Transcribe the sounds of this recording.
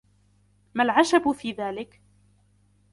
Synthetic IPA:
malʕaʃabfiːðaːlɪk

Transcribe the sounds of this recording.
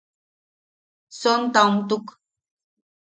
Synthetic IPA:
sɔn̩t̪awm̩t̪uk

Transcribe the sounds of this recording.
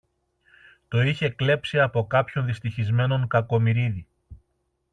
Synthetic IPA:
t̪o̞içe̞kle̞psiɐpo̞kɐpço̞nðist̪içizme̞no̞ŋkɐko̞miɾiði

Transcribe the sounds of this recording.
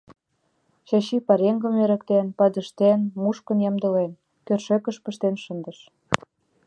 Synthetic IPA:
ɕɑɕipɑɾeŋɡə̆meɾə̆kt̪enpɑd̪ə̆ʃt̪enmuʃkə̆njɑmd̪ə̆len | kørʃekə̆ʃpə̆ʃt̪enʃə̆nd̪əʃ

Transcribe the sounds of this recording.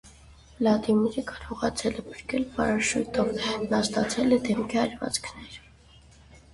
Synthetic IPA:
lɑt̪imɛɾəkɑɾɔʁɑt͡sʰɛlɛpʰə̥ɾkɛlpɑɾɑʃut̪ɔvnɑst̪ɑt͡sʰɛlɛd̪ɛmkʰiɑɾvɑ̰t͡skʰnɛɾ

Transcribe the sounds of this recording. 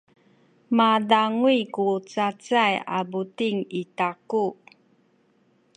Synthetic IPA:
madaŋwikut͡sat͡saja̰butiŋitaku

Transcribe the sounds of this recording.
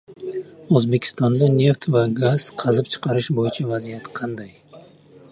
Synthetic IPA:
ɵzbe̞kʲʰɪ̥st̪ɒnd̪ane̞ft̪vaɡaz̥qʰɑzɪp̚t͡ʃʰɨ̥qʰɑɾɪʃbojɪt͡ʃʰavazijat̪qʰɑnd̪aj

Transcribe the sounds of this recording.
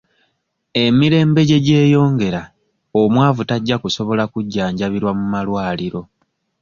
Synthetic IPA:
e̞miɾe̞ːmbe̞ɟe̞ɟe̞ːjo̞ːŋɡe̞ɾa | omwaːvutaɟːakuso̞βo̞lakuɟːaːɲɟaβiɾwamumalwaːliɾo̞

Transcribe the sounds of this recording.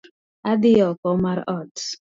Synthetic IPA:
adiɔkɔmaɾɔd

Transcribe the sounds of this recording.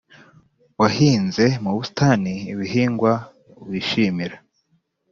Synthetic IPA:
wahiːnze̞muβusi̥tʰaniːβiɦiːŋɡwa | uβiʃiːmiɾa

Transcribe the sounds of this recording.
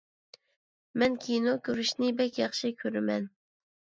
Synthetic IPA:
mɛnkʲʰinokʲʰøɾyʃnɪbɛkʲjɑχʃikʲʰøɾɪmɛn

